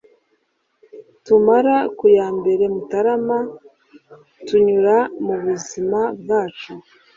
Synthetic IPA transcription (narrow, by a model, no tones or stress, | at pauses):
tumaɾakujaːmbe̞ɾe̞mutaɾama | tuɲuɾamuβuzimab̚ɡaːt͡ʃu